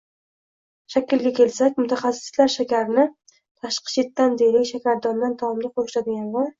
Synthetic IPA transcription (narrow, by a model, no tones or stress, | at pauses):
ʃakʲʰɪlɡʲakʲʰe̞lsakʲmʊt̪ʰaχasɪ̥slaɾʃakʲaɾnɪ | t̪ʰaʃqɨ̥ʃʰet̪ːand̪ejlɪkʲʃakʲaɾd̪ɒnd̪ant̪ʰɒmd̪ɪqʰoʃlad̪ɪɡʲanvɒɾ